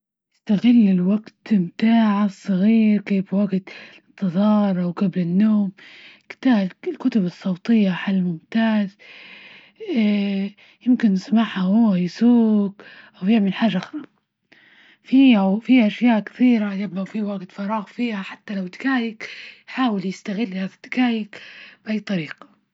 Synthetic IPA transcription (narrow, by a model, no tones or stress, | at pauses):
jɪst̪aɣɪlːɪlwaɡt̪ɪmt̪aːʕsˤːɑɣiːɾkeːbwaɡt̪ | t̪ːɨðˤɑːɾˤʔawkablɪnːoːmkt̪aːlkʊt̪ʊbɨsˤːɑwt̪ˤɨjːaħalːmʊmt̪aːz | jɪmkɪnːɪsmaħhahuwːajɪsuːkʔawjɪʕmɪlħaːʒːaʔaxɾˤɑ | fiʔafiʔaʃjaːʔkɪ̥θiːɾajɪbafiwaɡt̪fɑɾˤɑːɣfiːhaħat̪ːalawd̪ɪkaːjɪkjħaːwɪljɪst̪aɣɪlːhaːðad̪̥ɪkaːjɪkbʔajt̪ˤːɑɾiːqḁ